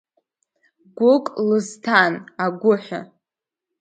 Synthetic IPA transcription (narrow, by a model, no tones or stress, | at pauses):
ɡʷʊkʼlɨztʰanaɡʷʊħʷa̰